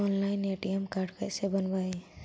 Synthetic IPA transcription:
ɔnlajneʈiemkaɾɖkasebʌnbaj

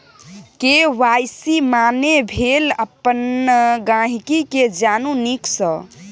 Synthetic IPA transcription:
keʋajsimanebʱeləpːənɡãɦikiked͡ʒanuniksə

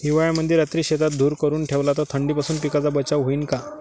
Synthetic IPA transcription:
ɦiʋajaməd̪ʱjeɾat̪ɾiːɕet̪at̪̚d̪ʱuːɾkəɾuːnʈʰeʋlat̪at̪ʰəɳɖiːpasuːnpikat͡sabət͡ɕaʋɦoiːnka

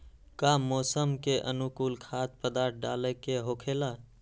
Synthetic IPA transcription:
kamoːsəmkeʔə̰nukuːlkʰat̪̚pəd̪aɾʈ̪̚ʰɖa̰ləkeɦokʰela

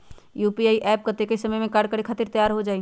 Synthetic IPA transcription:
jupiaiʔɛp̚kət̪ekesəməjmẽkaɾɖkəɾekʰat̪iɾt̪əjaɾɦod͡ʒaːi

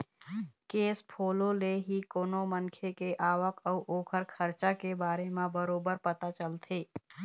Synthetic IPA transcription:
kespʰololeɦikoːnomənkʰekeʔaʋəkəuʔokʰəɾkʰəɾt͡ʃakebaɾemebəɾobəɾpət̪at͡ʃəlt̪ʰi

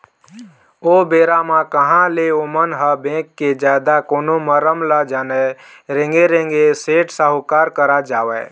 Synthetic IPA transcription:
obeːɾamãkəɦãleomənɦəbẽːkːed͡ʒaːd̪akoːnoməɾəmlad͡ʒanɛ | ɾẽŋɡeɾẽŋɡeseːʈsaɦʊkaːɾkəɾad͡ʒaːʋɛː

